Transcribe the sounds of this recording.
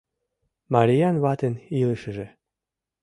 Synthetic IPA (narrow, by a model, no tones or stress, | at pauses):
maɾʲijɑnβɑt̪eniləʃə̆ʒĕ